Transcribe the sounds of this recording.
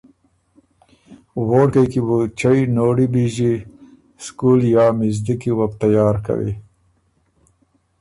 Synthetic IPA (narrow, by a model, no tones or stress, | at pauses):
woɽkajkibut͡ʃajnoɽibiʒi | skuljɑːmɪzd̪ikiwap̚t̪ajɑːɾka̰wḭ